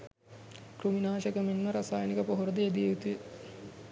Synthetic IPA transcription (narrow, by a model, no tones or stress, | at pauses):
kruminaːʃəkəminmɐɾasaːjnikəpoɦuɾɐd̪əed̪ieut̪ujə